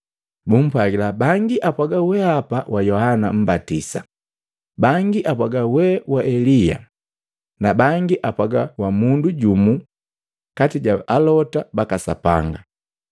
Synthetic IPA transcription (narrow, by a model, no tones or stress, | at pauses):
bum̩pwaɡilabaŋɡiʔapwaɡawɛapawʔajɔhanam̩batisa | baŋɡiʔapwaɡawɛwaʔɛlija̰ | nabaŋɡiʔapwaɡawamunduɟumu | katiɟaalɔtabakasapa̰ŋɡa